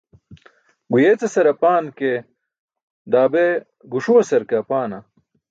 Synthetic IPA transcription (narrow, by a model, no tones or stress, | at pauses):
ɡujet͡sesɐɾɐpaːnke | d̪aːbe | ɡuʂuwɐsɐɾkɐpaːnɐ